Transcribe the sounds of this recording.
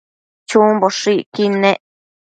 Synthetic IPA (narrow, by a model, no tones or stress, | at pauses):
t͡ʃũmboʂikinẽʔ